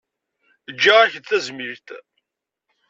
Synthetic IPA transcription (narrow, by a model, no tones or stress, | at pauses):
əd͡ʒːaʁæçəd̪θæzmiɾt̪